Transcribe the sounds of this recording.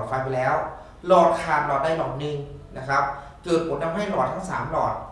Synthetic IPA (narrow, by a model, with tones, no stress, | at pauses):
t̚fa˧jpʰi˨˩lɛː˦˥w | lɔː˨˩t̪̚kʰaː˨˩nlɔː˨˩t̪̚daː˥˩jlɔː˨˩t̚nɯ˧ŋna˦˥kʰɾa˦˥p̚ | kɤː˨˩t̪̚pʰo˩˦nːa˧mɦa˥˩jlɔː˨˩t̪̚ʰa˥˩ŋsaː˩˦mlɔː˨˩t̪̚